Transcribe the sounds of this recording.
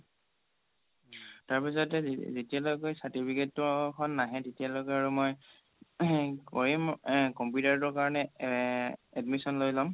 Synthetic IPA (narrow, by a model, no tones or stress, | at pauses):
taɹpisɔtɛzetialokɔjsaɹtipʰiketːɔkʰɔnːaɦɛtetialokɛaɹumɔj | kɔɹimkɔmputaɹtɔɹkaɹɔnɛ | ɛdmisɔnlojzam